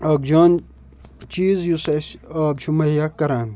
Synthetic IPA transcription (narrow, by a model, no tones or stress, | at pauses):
ɐk̚d͡ʒaːn | t͡ʃiːzjusɐsɐːb̚t͡ʃʰumɐjakɐɾaːn